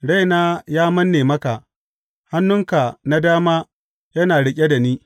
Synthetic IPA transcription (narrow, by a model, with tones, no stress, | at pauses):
ɽa˦jnaː˦jaː˦mɐ˦nːeː˨mɐ˦ka˨ʔ | ha˦nːʊ˦ŋka˨na˦daː˦maː˦ | jɐ˦naː˨ɽɪ˦kʲʼe˦da˨niː˦